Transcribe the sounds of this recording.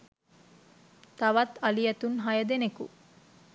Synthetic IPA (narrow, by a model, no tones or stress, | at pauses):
t̪ɐʋɐt̪ɐlijɐt̪unɦɐjɐd̪enekṵ